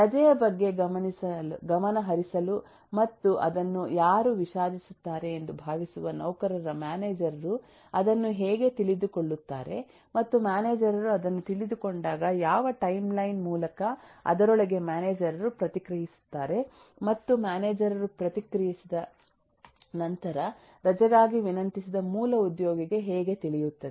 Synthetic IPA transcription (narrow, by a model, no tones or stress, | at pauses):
ɾɐd͡ʒɐjɐbɐɡːe̞ɡɐmɐnisɐɡɐmɐnɐɦɐɾisɐlu | mɐt̪ːuʔɐd̪ɐnːujaːɾuʋiʃaːd̪ʱisut̪ːaːɾe̞ːnd̪ubʱaːʋisuʋɐnɐwkɐɾɐɾɐmaːneːd͡ʒɐɾɐɾu | ɐd̪ɐnːuɦeːɡe̞t̪iɭid̪uko̞ɭːut̪ːaːɾe̞̰ | mɐt̪ːumjaːne̞ːd͡ʒɐɾɐɾuɐd̪ɐnːut̪iɭid̪uko̞ɳɖaːɡɐjaːʋɐʈɐjmlɐjnmuːlɐkɐɐ̰d̪ɐɾɔɭɐɡe̞maːneːd͡ʒɐɾɐɾupɾɐt̪ikɾɐɦisu̥t̪ːaːɾe̞ | mɐt̪ːumaːneːd͡ʒɐɾɐɾupɾɐt̪ikɾɐjisid̪ɐ | nɐnt̪ɐɾɐ | ɾɐd͡ʒɐɡaːɡiʋinɐnt̪isid̪ɐmuːlɐud̪jɔːɡiɡe̞ɦɛːɡe̞t̪iɭijut̪ːɐd̪e